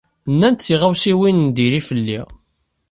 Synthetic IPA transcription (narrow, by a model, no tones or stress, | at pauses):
nːænt̪θiʁawsiwinnd̪iɾifəlːḭ